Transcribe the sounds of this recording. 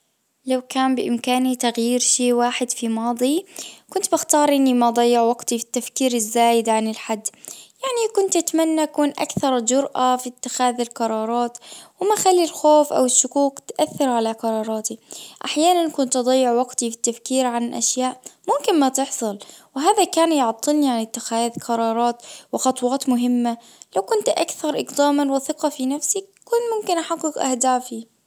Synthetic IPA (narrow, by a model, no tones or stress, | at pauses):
lawkaːmbɪʔɪmkaːnit̪aɣjiːɾʃeːwaːħɪd̪fimɑːd̪ˤikʊnt̪baxt̪ɑːɾˤʔɪnːimad̪ˤɑjːɪʕwaɡt̪ifi̥t̪ːafkiːɾɪzːaːjɪd̪ʕanɪlħad̪ːjaʕnikʊnt̪ʔat̪manːaʔakuːnʔa̰kθɑɾˤd͡ʒʊɾʔafit̪ːɪxaːðɪlqɑɾˤɑːɾˤɑːt̪wɪmaxalːilxoːfʔa̰wɪʃːʊkuːkt̪ʔaθːɪɾʕalaqɑɾˤɑːɾˤɑːt̪iʔaħjaːnankʊnt̪ʔɑd̪ˤɑjːɪʕwaɡt̪ifi̥t̪ːafkiːɾʕanʔa̰ʃjaːʔmʊmkɪnmat̪ɪħsˤɑlwɪɦaːðakaːnjʊʕt̪ˤːɨlniʕanɪt̪ːɪxaːðqɑɾˤɑːɾˤɑːt̪wɪxɑt̪ˤwɑːt̪mʊɦɪmːa | lawkʊnt̪ʔakθɑɾˤʔɪɡd̪aːmanwɪθɨqɑfinafsikːʊːnmʊmkɪnʔaħɑɡːɨkʔa̰hd̪aːfi